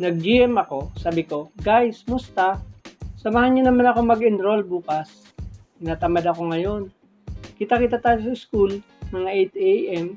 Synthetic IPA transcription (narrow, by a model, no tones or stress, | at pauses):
nɐɡ̚d͡ʒɪɛmɐko̞saːbɪko̞ɡajsmʊst̪asɐmɐhanɲʊnɐmanɐko̞mɐɡɪnɾolbuːkɐs | nat̪ɐmad̪ɐko̞ŋɐjo̞n | kɪt̪akɪt̪at̪aːjos̬ɐɪskul | mɐŋaʔɛjt̪ejʔɛm